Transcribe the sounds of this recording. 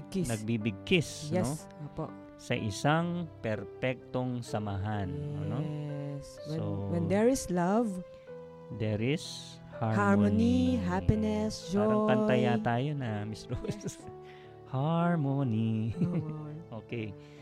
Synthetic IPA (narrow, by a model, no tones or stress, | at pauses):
kinɐɡ̚bibɪɡ̚kɪsjnɛs | oːpo̰ʔ | sɐ̰ʔɪsaŋpɛɾpɛk̚t̪oŋsɐmaɦanɛnoswɛowɛnd̪ɛɹɪslɐv | d̪ɛɾɪs | haɹhaɹmoniɦapɪnɛsd͡ʒoɐpɐt̪ɐjat̪aːjonɐmɪst̪ɾos | haɹmoni | ʔoːkɛj